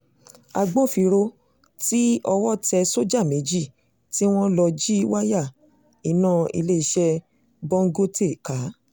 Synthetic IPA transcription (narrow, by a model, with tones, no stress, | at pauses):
a˧ɡ͡bõ˦˨fi˧ɾo˧ | ti˦ɔ˧wɔ˦tɛ˧so˦d͡ʒa˦˨me˨˦d͡ʒi˦˨ | ti˦w̃ɔ̃˦lɔ˧d͡ʒi˦wa˦ja˦˨ | i˨nã˦˨ḭ˧le˦i˧ʃɛ˧ | bɔ˦ŋ̩˦ɡo˦te˦˨ka˨˦